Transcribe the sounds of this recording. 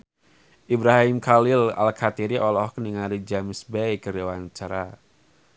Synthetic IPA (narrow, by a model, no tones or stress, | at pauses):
ʔibɾaɦimkalɪla̰lkʰat̪iɾiʔɔlɔhkənəŋaɾid͡ʒamɪsbɛjkəɾiwant͡ʃaɾa